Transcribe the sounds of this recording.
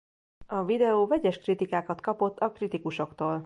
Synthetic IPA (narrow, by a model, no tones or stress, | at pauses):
ɒvid̪ɛoːvɛɟɛʃkrit̪ikaːkɒt̪kɒpo̞t̪ːɒkrit̪ikuʃo̞kt̪oːl